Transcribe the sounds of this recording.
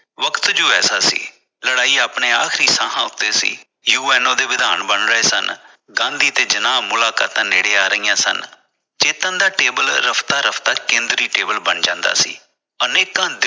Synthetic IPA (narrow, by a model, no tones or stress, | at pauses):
ʋəkt̪d͡ʒoːɛːsaːsḭː | ləɽaːiːaːpɳeːaːkʰɾiːsãːɦãːʊt̪ːeːsḭː | juːɛːnõːd̪eːʋɪd̪ʱaːnbəɳɾəeːsə̰n | ɡãːnd̪iːt̪eːd͡ʒənaːmʊlaːka̰ːt̪ãːneːɽeːaːɾəijãːsə̰n | t͡ʃeːt̪ãːd̪aːʈeːbəlɾəpʰt̪aːɾəpʰt̪aːkẽːnd̪ɾiːʈeːbəlbənd͡ʒãːnd̪a̰ːsḭː | əneːkãːd̪ɪ